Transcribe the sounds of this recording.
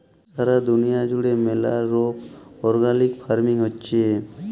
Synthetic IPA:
saɾad̪ʊnijad͡ʒʊɽemela̰ɾoːpɔːɾɡaːnɪkpʰaːɾmɪ̃ŋɦotːt͡ʃe

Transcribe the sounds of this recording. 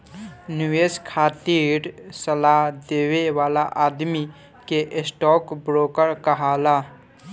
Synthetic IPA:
nɪʋeːskʰaːt̪iːɾsəlad̪eːweʋaːlaʔaːd̪mi | keʔsʈɔːkbɾoːkəɾkəɦaːlaː

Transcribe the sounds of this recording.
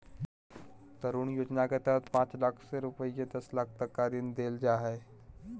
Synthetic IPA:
t̪əɾuːɳjod͡ʑnakət̪at̪pãt͡slakʰseɾupəjked̪əslak̚ʰt̪əkːad̪iːnd̪eld͡ʒaɦe

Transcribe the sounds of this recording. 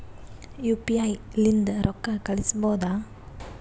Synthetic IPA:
juːpiajlind̪ɾʔɔkːakɐɭɪsɐboːd̪aː

